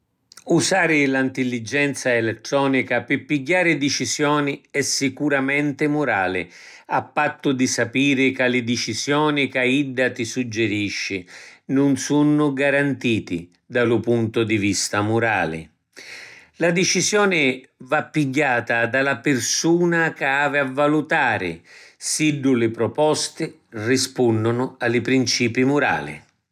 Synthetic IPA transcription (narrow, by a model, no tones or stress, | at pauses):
usaːɾɪlaint̪ɪlːid͡ʒɛnt̪saelet̪ːɾɔːnikapɪpːiɟːaːɾɪd̪it͡ʃizjɔːniɛsːikuɾamɛnt̪ɪmʊɾaːlɪ̰ | apːat̪ːʊd̪isapiːɾɪkalɪd̪it͡ʃizjɔːnikaid̪ːat̪isud͡ʒːeɾiʃːɪnʊnsunːʊɡaɾant̪iːt̪ḭ | d̪alʊpunt̪ʊd̪ivist̪amʊɾa̰ːlɪ̰ | lad̪et͡ʃisjɔːnɪvapːiɡːaːt̪ad̪alapɪrsuːnakaaːvɪavːalut̪aːɾɪ̰siɖːʊlɪpɾɔpɔst̪ɪ | rispunːʊnʊalɪpɾint͡ʃiːpimʊɾa̰ːlɪ̰